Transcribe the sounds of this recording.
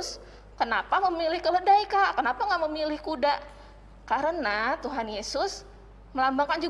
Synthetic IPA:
s | kənapaməmilɪhkələdaikaʔkənapaŋɡaʔməmilɪhkudaʔ | kaɾənat̪uɦanjesʊs | məlambaŋkand͡ʒu

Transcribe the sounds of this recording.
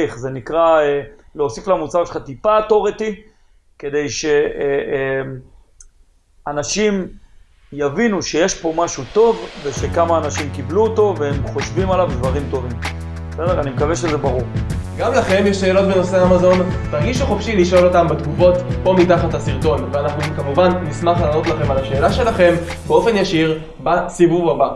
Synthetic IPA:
iχze̞nikʁaeleosiflamut͡saʁʃe̥lχat̪ipatoʁet̪i | ke̞d̪ejʃe̞ | m | anaʃim | javinuʃe̞jeʃpo̞maʃut̪o̞vve̞ʃe̞kamaːnaʃimkibluoto̞veemχo̞ʃvimalavd̪vaʁimt̪o̞vim | sedeʁanimekaveʃezebaʁuʁɡamlaχe̞mjeʃːe̞ːlo̞t̚beno̞seamazo̞ntaʁɡiʃuχofʃiliʃo̞lo̞tambet̪ɡufo̞tpo̞mitaχatlasiʁto̞nveanaχnukamuvanːismaχlaːno̞t̪laχe̞malaʃe̞ːlaʃe̞laχe̞mbeo̞fe̞njaʃiʁ | basivuvaba

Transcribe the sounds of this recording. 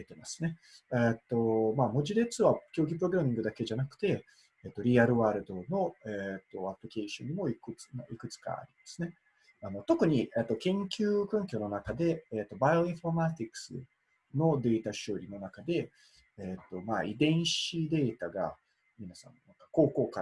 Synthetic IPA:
et̪e̞masɨ̥ne̞ | et̪ːo̞maːmo̞ʑid̪e̞t͡sɨβakʲo̞ːɡʲipɯɾo̞ɡɯ̟ɾamʲĩŋɡɯ̟d̪ake̞ʑanakɯ̟̥t̪e̞ | et̪ːo̞ɾʲiaɾɯ̟βaːɾɯ̟d̪o̞no̞et̪ːo̞apɯɾʲike̞ːɕõɲ̟ːimo̞ikɯt͡snaikɯ̟t͡sɨ̥ka̰a̰ɾʲimasɨne̞ | ano̞t̪o̞kɯ̟ɲ̟iʔeːt̪ːo̞kẽ̞ŋkʲɨːkɯ̟̃ŋk̬ʲo̞no̞nakad̪e̞ːt̪ːo̞bajo̞ĩfo̞ɾmat̪ʲikːɯ̟̥sɨ̰ | no̞d̪e̞ːt̪aɕɨːɾʲino̞nakad̪e̞ | eːt̪ːo̞ma̰ːid̪ẽ̞ɰ̃ɕid̪e̞ːt̪aɡa̰ | mʲinasã̰nnaŋkḁko̞ːko̞ːka

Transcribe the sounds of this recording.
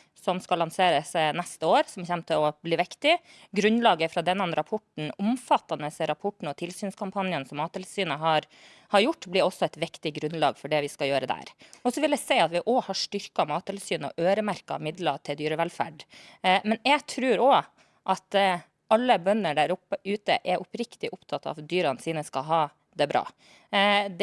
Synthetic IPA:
sɔmskɑlːɑnseːɾəsnɛst̪əoːɾsɔmçɛmt̪ʰəɔbliːʋɪkt̪ɪ | ɡɾʉnlɑːɡəfɾɑːd̪ɛnːɛnɾɑpʰɔʈɳ̩ʊmfɑt̪ːɑnəsɛɾɑpʰɔʈːɳ̩ɔt̪ʰɪlsyːnskʰɑmpʰɑnjənsɔmːɑːt̪ʰːɪlsyːnəɦɑɾ | hɑɾjʊʈːblɪɾɔsɔɛɪt̪ʋɪkt̪ɪɡɾʉnlɑ̰ːɡfɔɖɛʋɪskɑjøːɾəd̪æ̰ːɾɔsɔʋɪljɛsɛɪɑt̪ʋɪʔɔhɑʂʈʏɾkɑmɑːt̪ʰːɛlsyːnɔ̰ʔøːɾəmæɾkɑ̰mɪd̪lɑt̪ʰɪld̪yːɾəʋɛlfæ̰ɖmɛnjɛɡt̪ʰɾʉːɾɔ | ʔɑt̪ | ɑlːəbœnːəɖæɾʊpːəʉːt̪ə̰ʔɛɾʔʊpɾɪkt̪ɪʔʊpt̪ʰɑt̪ːɑ̰ʋd̪yːɾɑnsiːnəskɑɦɑː | d̪ɛbɾɑ̰ː | d̪

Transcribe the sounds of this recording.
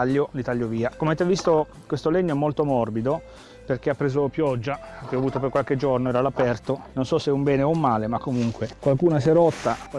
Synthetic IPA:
aʎːolit̪aʎːoviːakomeavet̪evist̪o | kwest̪oleɲːoɛmːolt̪omɔrbid̪o | perk̟eapːɾeːzopjɔd͡ʒːakeɔavuːt̪opeɾrkwalk̟ed͡ʒornoɛːɾalapɛrt̪ononsɔsːeumbɛːneoumːaːlemakːomuŋkwekwalkuːnasɛɾɔt̪ːak

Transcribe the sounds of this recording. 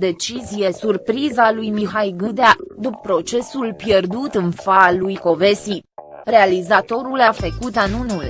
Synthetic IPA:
d̪e̞t͡ʃizije̞surpɾizalujmiɦajɡɨd̪ead̪uppːɾo̞t͡ʃe̞sulpjerd̪ut̪ɨnfalujko̞ve̞si | re̞alizat̪o̞ɾulafəkut̪anunul

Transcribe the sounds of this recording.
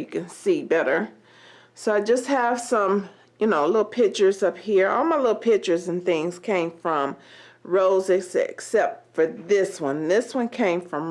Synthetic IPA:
ɨkɨ̃nsibɛɾə˞ | soʊaɪd͡ʒʌst̚hɨv̥sʌ̃m | jɨnoʊlɪɾl̩ˠpʰɪk̚t͡ʃə˞zʌp̚hiɹɔ̰lˠmaɪlɪɾl̩ˠpʰɪk̚t͡ʃə˞zɨ̃nθɪ̃ŋz̥kʰẽɪ̃ɱfɹʌ̃m | ɹoʊzɨksksɛp̚tfə˞ðɪswʌ̃nðɪswʌ̃nkʰẽɪ̃ɱfɹʌ̃m

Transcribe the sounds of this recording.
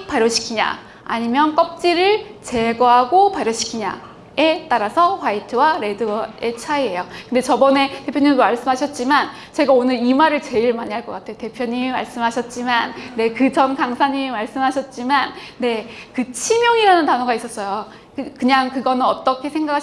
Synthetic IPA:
paɾjoɕʰi̥kʰiɲa̰ | a̰ɲimjʌnk͈ʌp̚t͡ɕ͈iɾɯɭt͡ɕe̞ɡʌɦaɡopaɾjoɕʰi̥kʰiɲa̰ | e̞t͈aɾasʰʌɸwaitʰɯwaɾe̞dɯe̞t͡ɕʰaiɦe̞jokɯnde̞t͡ɕʌbʌne̞te̞pʰjoɲimmaɭs͈ɯmɦaɕʰʌt̚t͡ɕ͈iman | t͡ɕe̞ɡaonɯɾimaɾɯɭt͡ɕe̞iɭmaɲiɦaɭk͈ʌk͈atʰe̞jote̞pʰjʌɲimma̰ɭs͈ɯmɦaɕʰʌt̚t͡ɕ͈imanːe̞kɯt͡ɕʌnkaŋsʰaɲimimaɭs͈ɯmɦaɕʰʌt̚t͡ɕ͈imanːe̞kɯt͡ɕʰimjʌŋiɾanɯntanoɡais͈ʌs͈ʌjo | kkɯɲaŋkɯɡʌnɯnʌt͈ʌkʰe̞sʰe̞ŋɡakʰa

